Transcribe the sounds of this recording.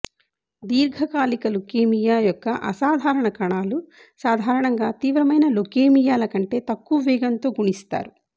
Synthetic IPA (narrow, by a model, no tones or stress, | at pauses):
d̪iːɾɡʱɐkaːlikɐlukeːmijaːjɔkːɐʔɐ̰saːd̪ʱaːɾɐɳɐkɐɳaːlu | saːd̪ʱaːɾɐɳɐŋɡaːt̪iːʋɾɐmɐjnɐlukeːmijaːlɐkɐɳʈe̞ːt̪ɐkːuʋɛːɡɐnt̪o̞ːɡuɳist̪a̰ːɾu